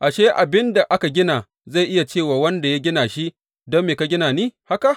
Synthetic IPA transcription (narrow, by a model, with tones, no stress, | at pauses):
ʔa˨ʃe˦ʔa˨bɪ˦nda˨ʔa˦ka˨ɡʲɪ˦naː˨ | za˦˨jʔɪ˦ja˨t͡ʃeː˦˨waː˨wɐ˦nda˨ja˦ɡʲɪ˦naː˨ʃi˦ʔ | dɔ˦mːeː˨ka˦ɡʲɪ˦naː˨niː˦ha˦ka˨ʔ